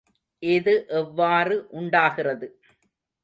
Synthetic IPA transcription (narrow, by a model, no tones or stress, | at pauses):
ʔɪðɯʔɛʋːaːrɯʔʊɳɖaːɣɪrɐðɯ